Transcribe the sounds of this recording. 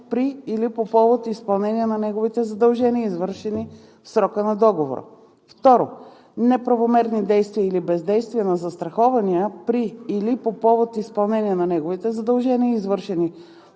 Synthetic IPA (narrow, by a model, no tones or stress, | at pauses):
pɾiːlipopɔvot̪ispɐlˠnɛniənɐnɛɡovit̪ɛzɐd̪ɐlˠʒɛniəizvɤɾʃɛni | fsɾɔkənɐd̪ɔɡovo̰ɾə̰ | ft̪ɔɾo | nɛpɾɐvomɛɾnid̪ɛjst̪viəilibɛzd̪ɛjst̪viənɐzɐst̪ɾɐxɔvɐniəpɾiːlipopɔvot̪ispɐlˠnɛniənɐnɛɡovit̪ɛzɐd̪əlˠʒɛniəizvɤɾʃɛni